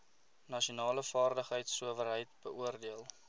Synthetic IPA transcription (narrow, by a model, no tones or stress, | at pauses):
nɐʃiunɑːləfɑːrdəχɦəjtsuəvəɾɦəjtb̥əuərdiəlˠ